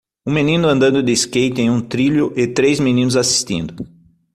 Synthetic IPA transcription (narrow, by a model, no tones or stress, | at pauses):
ũmenĩnʊɐ̃nd̪ɐ̃nd̪ʊd̪ɪskejt̪ɪẽj̃ũt̪ɾiʎʊʔɪt̪ɾejzminĩnʊzasi̥st̪ḭ̃nd̪ʊ